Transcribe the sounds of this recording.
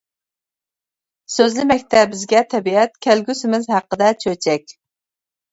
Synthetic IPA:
søzlɪmɛkʲt̪ʰɛbɪzɡʲɛt̪ʰɛbiɛt̪̚kʲʰælɡʲysɪmɪzhæqːəd̪ɛt͡ʃʰøt͡ʃʰɛkʲ

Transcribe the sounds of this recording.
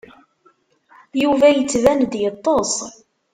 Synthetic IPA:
juvæjət͡sːvænd̪jət̪ˤːosˤ

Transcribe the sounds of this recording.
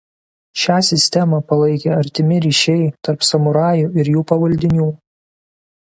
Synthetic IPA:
ʃʲæːsʲɪsʲt̪ʲɛmɐpɐlˠɐɪkʲeːɐɾʲt̪ʲɪmʲɪɾʲiːʃʲɛɪt̪ɐɾpsɐmʊɾɑːjuːɪɾjuːpɐʋɐlʲd̪ʲɪnʲuː

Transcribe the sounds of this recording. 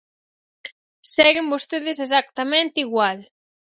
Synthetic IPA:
sɛɣɪmbost̪eðɪs̬es̬akt̪amẽnt̪eiɣwal

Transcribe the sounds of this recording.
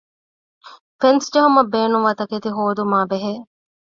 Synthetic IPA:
fensd͡ʒɐɦumɐbeːnuŋʋɐt̪ɐket̪iɦoːd̪umaːbeɦe

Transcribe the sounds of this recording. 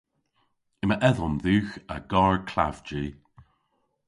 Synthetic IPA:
ɪməʔɛðɔmðʉːxəɡaːɹkʰla̰vd͡ʒiː

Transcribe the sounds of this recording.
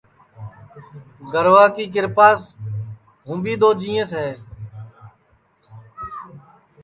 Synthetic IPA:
ɡəɾʋaːkiːk̬ɪɾpaːs | ɦũːbiːd̪oːd͡ʒĩːẽːsɦeː

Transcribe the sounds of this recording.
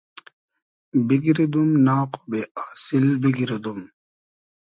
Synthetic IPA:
biɡiɾed̪umnaːqo̥beaːsilbiɡiɾed̪um

